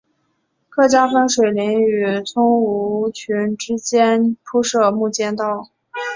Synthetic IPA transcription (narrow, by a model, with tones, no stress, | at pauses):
kʰɤ˥˩t͡ɕja˥fə˥nʂwe˨˩ɪli˧˥ŋy˨˩t͡sʰʊ˥ŋu˧˥t͡ɕʰy˧˥nʈ͡ʂɻ̩˥t͡ɕjɛ˥npʰu˥ʂɤ˥˧mu˥˩t͡ɕjɛ˥˧nt̪ɑ˥˩ʊ